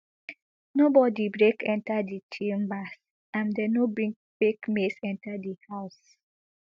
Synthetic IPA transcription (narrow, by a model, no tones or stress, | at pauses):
nobɔdibɹekʰɛ̃ntadit͡ʃimbas | ãmdɛnobɹĩŋk̚b̥ekmesɛ̃ntadihaʊs